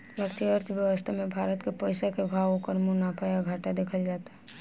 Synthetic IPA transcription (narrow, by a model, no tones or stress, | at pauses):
əɾt̪ʰiəɾt̪ʰəʋjəwəst̪ʰamẽbʱaːɾət̪kepəɪsakebʱaːwõkəɾmunaːpʰajaɡʱaːʈad̪eːkʰəld͡ʒaːt̪aɦɛ